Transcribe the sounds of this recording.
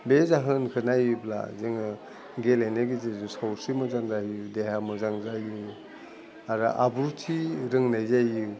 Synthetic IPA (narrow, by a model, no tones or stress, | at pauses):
bezaɦɯnkʰɯnajubla̰zeŋɯ | ɡelajnaɡizezusawsimɯzaŋzaɦdeɦamɯzaŋzajɯ | aɾɯ̰ʔabuɾtʰiɾɯŋnajzajɯ